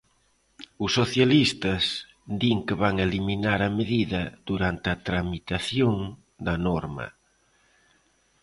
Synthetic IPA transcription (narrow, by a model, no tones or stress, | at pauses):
ʊsːoθjalist̪ɐs | d̪iŋkeβaŋeliminaɾɐmeðiðɐð̥uɾant̪ɪɐt̪ɾamit̪aθjoŋ | d̪ɐnɔɾmɐ̰